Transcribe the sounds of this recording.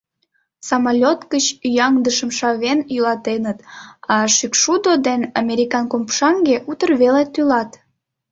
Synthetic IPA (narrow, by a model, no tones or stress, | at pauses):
sɑmalʲot̪kət͡ɕyjɑŋd̪əʃəmʃɑβenjylɑt̪enət̪ɑʃykʃud̪od̪enɑmʲeɾʲikɑnkompʃɑŋɡeʔut̪ərβelet̪ylɑt̪